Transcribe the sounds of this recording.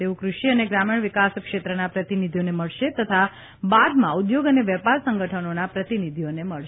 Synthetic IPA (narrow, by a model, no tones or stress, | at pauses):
t̪eũkɾuʃiəneɡɾamiɳ̃ʋikaskʃet̪ɾənapɾət̪inid̪ʱijoneməɭʃet̪ət̪ʰa | bad̪mãud̪joɡəneʋɛpaɾsə̃ŋɡəʈʰənonapɾət̪inid̪ʱioneməɭ